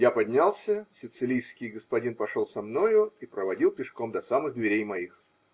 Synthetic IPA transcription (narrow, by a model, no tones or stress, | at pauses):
japɐdʲnʲalˠsʲəsʲɪt̪sɨlʲijskʲɪjɡəspɐdʲinpɐʂolˠsɐmno̞jʊipɾəvɐdʲilˠpʲɪʂkomd̪ɐsamɨɣd̪vʲɪɾʲejmɐix